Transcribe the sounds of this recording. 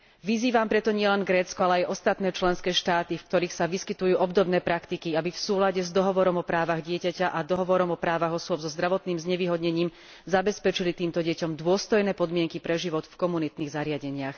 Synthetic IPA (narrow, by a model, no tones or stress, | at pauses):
ʋiziːʋampɾɛt̪ɔɲɪɛlɛnɡɾɛːt͡skɔalɛajʔɔst̪at̪nɛːt͡ʃlɛnskɛːʃt̪aːt̪ifkt̪ɔɾiːxsaʋiskit̪ujuːʔɔbd̪ɔbnɛːpɾakt̪ikiabifsuːlaɟɛzd̪ɔɦɔʋɔɾɔmɔpɾaːʋaɣɟɪɛcacaʔad̪ɔɦɔʋɔɾɔmɔpɾaːʋaɣɔsʊɔbzɔzd̪ɾaʋɔt̪niːmzɲɛʋiːɦɔd̪ɲɛɲiːm | zabɛspɛt͡ʃilit̪iːmt̪ɔɟɛcɔmd̪ʊɔst̪ɔjnɛːpɔd̪mɪɛŋkipɾɛʒiʋɔt̪fkɔmunit̪niːɣzaɾɪaɟɛɲɪax